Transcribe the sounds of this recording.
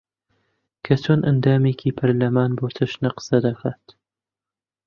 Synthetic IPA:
kʰɐt͡sʰoːnʔɐ̰nd̪aːmeːkʰiːpʰɐɾlɐmaːnboːt̪ʰɨʃnɐqɨ̥sɐd̪ɐkʰaːt̪

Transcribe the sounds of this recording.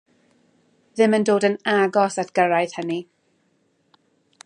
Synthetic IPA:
ðɪməndoːdənaɡɔsatʰɡ̥əɾajð̥həni

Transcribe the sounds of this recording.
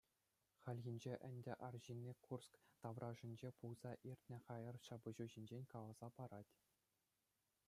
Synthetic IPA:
χælʲɣʲinʲd͡ʑeʔɘ̆nʲdʲɘ̆ʔɑrʑinʲːekʰurskt̪ɑʋrʔɑʐĭnʲd͡ʑepulz̥ɑʔirʲtʲnʲɘ̆χɑjɤ̆rɕɑbɤ̆ʑuʑinʲd͡ʑenʲkɑlˠɑz̥ɑpɑɾɑtʲ

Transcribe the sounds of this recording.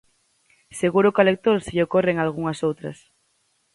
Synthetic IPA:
seɣuɾʊkalek̚t̪oɾseʎokoreŋalɣ̞uŋɐsowt̪ɾɐ̰s

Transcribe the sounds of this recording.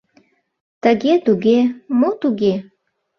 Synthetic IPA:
t̪əɣet̪uɣemot̪uɣe

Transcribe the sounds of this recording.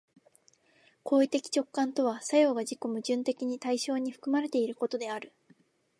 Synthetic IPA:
kʰo̞ːit̪e̞kʲi̥t͡ɕo̞kːãnt̪o̞β̞asajo̞ːɡad͡ʑiko̞mɯ̟ʑɨ̃nt̪e̞kʲiɲ̟it̪aiɕo̞ːɲ̟iɸɯ̥kɯ̟maɾe̞t̪e̞iɾɯ̟ko̞t̪o̞d̪e̞aɾɯ̟

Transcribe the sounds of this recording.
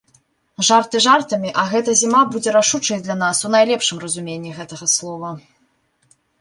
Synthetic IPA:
ʐart̪ɨʐart̪ɐmʲiʔɐɣɛt̪ɐzʲimabud͡zʲɛɾaʂut͡ʂɐjd̪lʲanasunajlʲɛpʂɨmrɐzumʲenʲːiɣɛt̪ɐɣɐslˠɔvɐ

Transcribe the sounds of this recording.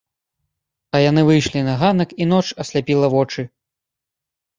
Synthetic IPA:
ɐjanɨvɨjʂlʲinɐɣanɐkinɔt͡ʂɐsʲlʲapʲilˠɐvɔt͡ʂɨ

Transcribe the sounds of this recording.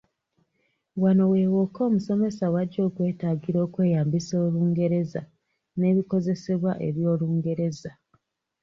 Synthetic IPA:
wano̞we̞ːwo̞ko̞ːmuso̞me̞sawaɟːo̞ːkwe̞ːtaːɡiɾo̞ːkwe̞ːjaːmbisoːluːŋɡe̞ɾe̞za | ne̞ːβiko̞ze̞se̞βwaʔe̞̰βjo̞ːluːŋɡe̞ɾe̞za

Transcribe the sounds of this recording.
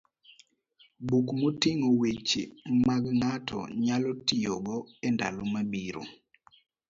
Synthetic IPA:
bukmotiŋowit͡ʃmaɡŋatʰɔ̰ɲalɔtijoɡɔɛnda̰lomabiɾo̰

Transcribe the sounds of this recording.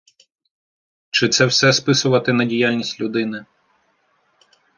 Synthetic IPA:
t͡ʃɪt̪sɛwsɛspɪsʊʋɐt̪ɪnɐdʲijalʲnʲisʲtʲlʲʊd̪ɪnɪ

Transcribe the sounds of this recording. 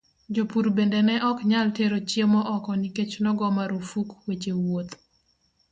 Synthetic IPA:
d͡ʒopuɾbendenɛʔɔkɲalteɾot͡ʃjemɔʔɔkɔniket͡ʃnɔɡɔmaɾufukwet͡ʃewot̪

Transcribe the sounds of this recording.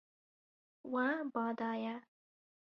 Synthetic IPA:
wãbɑːd̪ɑːja

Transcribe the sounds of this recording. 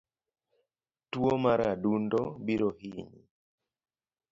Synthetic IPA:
twomaɾadundɔbiɾohiɲḭ

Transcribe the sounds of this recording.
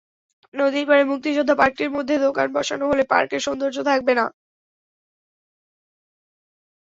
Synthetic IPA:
nod̪ipaɾemuk̚t̪iʃod̪ʱːapaɾk̚ʈeɾmod̪ʱːed̪okanbɔʃanoɦolepa̰ɾkeɾʃond̪oɾd͡ʑot̪ʰak̚bena̰

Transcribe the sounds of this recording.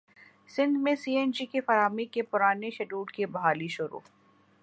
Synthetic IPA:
sɪ̃nd̪mẽsiːeːnd͡ʒikefɐɾaːmikepʊɾaːneʃɐɖuːɖkebɐɦaːliʃʊɾṵː

